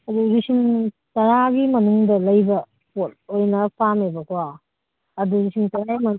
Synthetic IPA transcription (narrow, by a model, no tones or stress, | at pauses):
ɐduɾisim | tɐɾaɡimɐnuŋdɐlɐjbɐ | pot̚ojnɐpʰamebɐkʰwa | ɐduɾisimtɐɾaimɐ